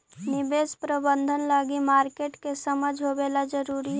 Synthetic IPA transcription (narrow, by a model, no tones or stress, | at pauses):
nɪbeːspɾəbə̃nd̪ʱənlaːɡimaːɾkeːʈkesəməd͡ʒʱɦobeːlad͡ʒəɾuːɾiɦɛ